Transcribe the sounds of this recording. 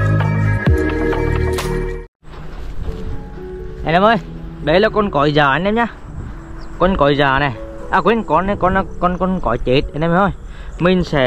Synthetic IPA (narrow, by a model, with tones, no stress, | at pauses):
ʔɛ˧˨na˨˧˦mʔəː˧jɗə˨˦jlaː˨˩kɔ˧nkɔ̰˧˨˦jzaː˨˩˨nɛ˧˦mɲaː˧˦ | kɔ˧nkɔ˨˦jzaː˨˩na˨˩jʔaː˨˧˩kwi˨˦nkɔ˧n˧˦kɔ˧na˧kɔ˧nkɔ˧nkɔ̰˧˨˦jt͡ɕe˨˦t̚ʔnaː˧mə˧˩ɔ˧j | mï˨ŋ̟sɛ˧˩